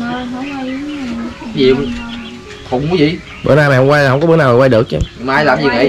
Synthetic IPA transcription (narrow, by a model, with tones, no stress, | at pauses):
ɲi˨ | kʊ˨˩ŋ͡mu˨˦vḭ˧˨ | ɓə̰ː˧˦naː˨˩ma̰˨hŋ͡mkwa˧lɦə˧wŋ͡mkɔ˨˦ɓəː˨˦naː˨˩maː˨˩wa˧ɗɨ˨˩ək̚t͡ɕa̰˧ɲ˨˩maː˨˧˨jlaː˨˩mzi˨˩və̰˨˧˨